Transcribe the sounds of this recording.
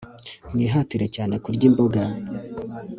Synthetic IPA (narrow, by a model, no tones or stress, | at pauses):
mŋiːɦatiɾe̞caːne̞kuɾɟiːmbo̞ɡa